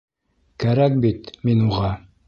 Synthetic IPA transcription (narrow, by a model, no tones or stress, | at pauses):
kæɾæk̚bit̪minuʁɑ